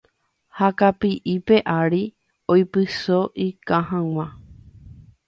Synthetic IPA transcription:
hakapiʔipe̞ʔaɾi | ojpɨsoʔikãɦãw̃ʷã

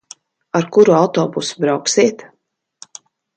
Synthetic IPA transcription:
aɾkuɾuawt̪ɔːbusubɾawksiɛt̪

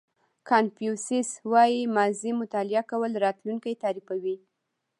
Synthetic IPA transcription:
kʰɑnfjusɪswɑjimɑzimʊt̪ɑlɪakawəlɾɑt̪lunkajt̪ɑɾifawi

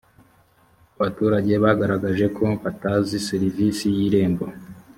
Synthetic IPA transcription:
aβatuːɾaɟe̞βaɡaɾaɡaʒe̞kʰo̞βataziseɾivisijiːɾe̞ːmbo

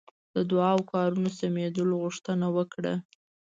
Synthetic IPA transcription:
d̪əd̪ʊɑwkɑɾunosamed̪əloɣuʂt̪ənawəkɽa̰

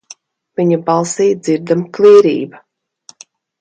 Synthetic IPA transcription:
viɲabɑlˠsiːd̪ziɾd̪amklˠiːɾḭːba

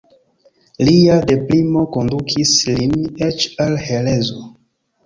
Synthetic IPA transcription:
liade̞plimo̞ko̞ndukʰislinet͡ʃalhe̞le̞zo

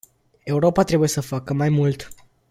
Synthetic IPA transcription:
e̞uɾo̞pat̪ɾe̞buje̞səfakəmajmult̪

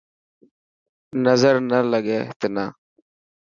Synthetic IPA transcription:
nəzəɾnələɠeːt̪eːnaː

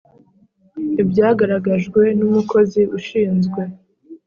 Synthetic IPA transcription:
ibɟaːɡaɾaɡaʒɡwe̞numukʰo̞ziuʃiːnzɡwe̞

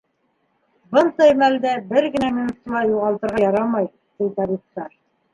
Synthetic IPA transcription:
bɤnd̪ɑjmæld̪æbɘɾɡɘ̆næminut̪ːulˠɑjuʁɑlˠt̪ɤ̆ɾʁɑjɑɾɑmɑj | t̪ijt̪ɑbip̚t̪ɑɾ

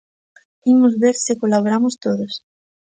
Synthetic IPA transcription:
imʊzβeɾsɪkolaβoɾamʊst̪oðos

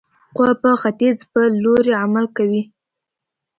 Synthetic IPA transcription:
qwapəxat̪izpəloɾeamalkawi

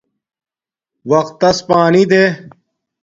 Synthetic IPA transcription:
ʋɐqt̪ːɐspaːniːd̪eː

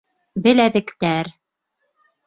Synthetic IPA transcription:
bɘ̆læðɘ̆kt̪æɾ

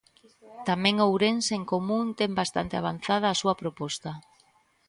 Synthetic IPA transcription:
t̪amɛ̃ŋowɾenseŋkomũnt̪embast̪a̰nt̪eaβ̞an̟θað̞aːsuɐpɾopɔst̪a

